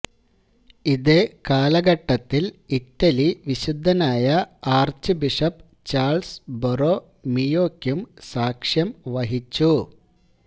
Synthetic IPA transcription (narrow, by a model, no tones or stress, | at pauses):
iðekaːlɐɡɐʈːɐt̪ːilitːɐliʋiɕud̪ʱːɐnaːjɐaːrt͡ɕɨbiʂɐp | t͡ɕaːɭsboroː | mijo̞ːkʲːjumsaːkʂjɐmʋɐɦit͡ɕːu